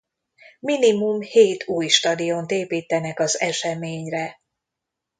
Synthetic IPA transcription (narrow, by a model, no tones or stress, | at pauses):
minimumheːt̪ʰuːjʃt̪ɒd̪ijont̪eːpiːt̪ɛnɛkɒzɛʃɛmeːɲrɛ